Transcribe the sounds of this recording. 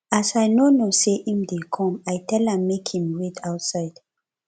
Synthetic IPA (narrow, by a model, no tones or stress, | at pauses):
asajnonoseʔĩmdekʰɔ̃majtʰɛlãmːekhĩmwetʰawtsaɪd̥